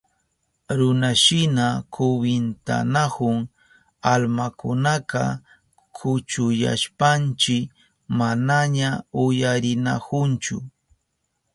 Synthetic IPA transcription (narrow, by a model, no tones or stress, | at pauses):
ɾʊnaʃɪnakʰʊwɪnt̪a̰nakʊŋ | almakʊnakɑ̰ | kʰʊt͡ʃʊja̰ʃpant͡ʃɪk | manaɲaʊjaɾɪnakʊnt͡ʃʊ̰